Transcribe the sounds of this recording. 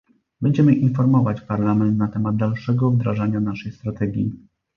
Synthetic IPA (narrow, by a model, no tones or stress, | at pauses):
bɛɲd͡ʑɛmɘʔinfɔɾmɔvat͡ɕpaɾlamɛnt̪nat̪ɛmad̪̚d̪alʂɛɡɔvd̪ɾaʐaɲanaʂɛjst̪ɾat̪ɛɡʲji